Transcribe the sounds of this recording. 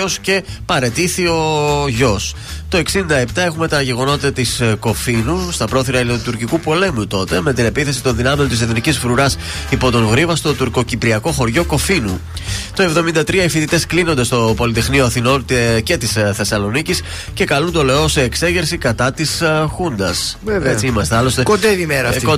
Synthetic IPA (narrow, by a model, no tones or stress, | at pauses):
osce̞pɐɾe̞t̪iθio̞ʝo̞s | t̪o̞e̞ksind̪ɐe̞pt̪ɐe̞xume̞t̪ɐʝe̞ɣo̞not̪it̪ɐt̪isko̞finust̪ɐpɾo̞θiɾɐut̪uɾcikupo̞le̞mut̪o̞t̪e̞me̞t̪ine̞piθe̞sit̪o̞nðinɐme̞nt̪iseθnicisfɾuɾɐs | ipo̞t̪o̞ŋɣɾivɐst̪o̞t̪uɾko̞cipɾiɐko̞xo̞ɾʝo̞ko̞finṵ | t̪o̞e̞vðo̞mind̪ɐt̪ɾiɐifit̪it̪e̞sklino̞nd̪e̞st̪o̞po̞lit̪e̞xnio̞ɐθino̞nt̪ce̞t̪isθe̞sɐlo̞nicis | ce̞kɐlund̪o̞loo̞se̞ːkse̞ʝeɾsikɐt̪ɐt̪isxund̪ɐsvevet͡siimɐst̪eɐlo̞st̪ekod̪eðimeɾɐ